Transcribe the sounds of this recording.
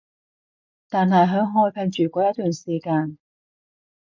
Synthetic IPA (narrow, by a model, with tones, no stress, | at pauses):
t̪aː˨nɦɐ˨˩jɦœ˨˧˥ŋɦɔː˧jpʰɛ˧ŋt͡ʃyː˨˩kʷɔː˨˥jɐ˥t̪̚t̪yː˨˩nsiː˨˩kaː˧n